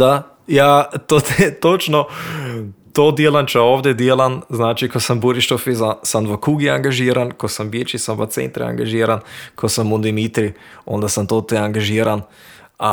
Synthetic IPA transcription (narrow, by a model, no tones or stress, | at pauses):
a | jaːt̪ot̪ɛt̪ot͡ʃno | t̪oːd̪jelant͡ʃaoːʋd̪jɛd̪jeːlanznaːt͡ʃikosambuɾiʃt̪ofisasanʋəkuːɡiaŋɡaʒiːɾankosambjet͡ʃisanʋat̪sḛnt̪ɾɛ̰a̰ŋɡaʒiːɾankʰosamud̪imit̪ɾio̰nd̪asamt̪ot̪ɛaŋɡaʒiːɾan | a